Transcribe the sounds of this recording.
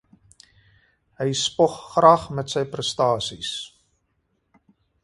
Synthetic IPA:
ɦəjspɔχːrɐːχmɛtsəjprəstɑːsis

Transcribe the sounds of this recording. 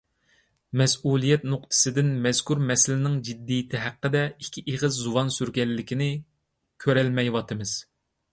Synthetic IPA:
mɛsulˠijɛt̪nʊq̚t̪ʰɨ̥sɨd̪ɪnmɛz̥kʰuɾmɛsɪlɪnɪŋd͡ʒid̪ːijɪt̪ʰɪɦæqːəd̪ɛikʲʰiʔeʁɨzːuwɑnsyɾɡʲɛlːɪkʲinɪ | kʲʰøɾɛlmɛjwɑt̪ʰɨmɨz̥

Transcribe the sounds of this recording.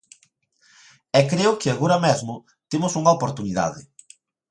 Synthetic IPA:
ɛkɾeʊkɪaɣoɾɐmɛzmʊ | t̪emʊsuŋɐopoɾt̪uniða̰ðɪ

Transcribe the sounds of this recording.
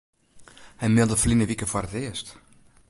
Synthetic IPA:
hɛjmɪlˠdəflinəʋikəfwɔɾətɪəst

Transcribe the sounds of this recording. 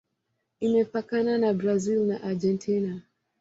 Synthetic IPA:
imɛpakananabɾazilnaʔad͡ʒɛntʰina

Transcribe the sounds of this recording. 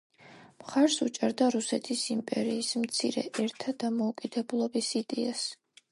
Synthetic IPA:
mχaɾsut͡ʃʼaɾd̪aɾusɛt̪ʰisimpʼɛ̰ɾiːsmt̪sʰiɾɛ̰ʔɛɾt̪ʰad̪amɔukʼid̪̥ɛbulˠɔbisid̪ɛas

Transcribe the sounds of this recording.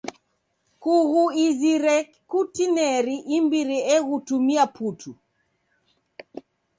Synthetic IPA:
kuɣuiziɾɛ | kutinɛɾiʔimbiɾiɛɣutumiaputʰu

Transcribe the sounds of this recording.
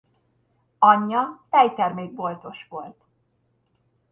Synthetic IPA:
ɒɲːɒt̪ɛjt̪ɛrmeːɡ̚bo̞lt̪o̞ʃʋo̞lt̪

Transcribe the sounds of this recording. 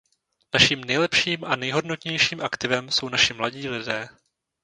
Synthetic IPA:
naʃiːmnɛjlɛpʃiːmʔanɛjɦo̞dnot̪ɲɛjʃiːmʔakt̪ɪvɛmso̞wnaʃɪmlaɟiːlɪdɛː

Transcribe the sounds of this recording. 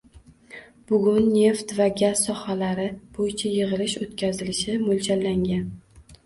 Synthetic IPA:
b̥ʊɡʲʊnːe̞ft̪vaɡʲaz̥sɒhalaɾɪb̥ojɪt͡ʃʰajɨʁɨlɪʃot̪kʲʰazɪlɪʃɪmʊlt͡ʃʰalːaŋɡʲan

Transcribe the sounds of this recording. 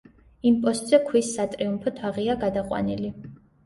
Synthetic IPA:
impʼɔst̪ʼz̥ɛkʰwisːat̪ʼɾiumpʰɔt̪ʰaʁiaɡad̪aqʼwa̰nili

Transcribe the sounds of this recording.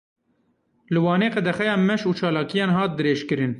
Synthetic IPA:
lɨwɑːneːqɛd̪ɛxɛjɑːmɛʃuːt͡ʃʰɑːlɑːkijɑːnɦɑːt̪̚d̪ɨɾeːʃkɨɾɨn

